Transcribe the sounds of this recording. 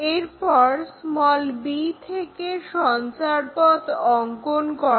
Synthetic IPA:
eɾpɔɾsmɔlbit̪ʰekeʃɔnt͡ɕaɾpɔt̪ɔŋkonkɔ

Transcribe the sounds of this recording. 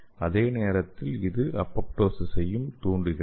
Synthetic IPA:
ɐðeːneːɾɐt̪ːɪlɪðɯʔɐpːɐpʈoːsɪsɐjɯmt̪uːɳɖɯɣɪ

